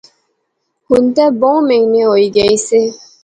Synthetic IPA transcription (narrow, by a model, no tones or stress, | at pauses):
hun̩tɛbɔŋmeŋneɔiɡɛise